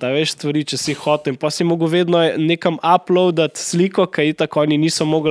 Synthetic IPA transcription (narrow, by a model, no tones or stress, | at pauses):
t̪aʋeʃst̪ʋaɾiːt͡ʃɛsixɔːt̪ɛimpɔːsiɛmoːɡəwʋeːd̪nɔneːkɐmaplɔwd̪at̪sliːkɔkɐit̪akɔːniniːsɔmoːɡ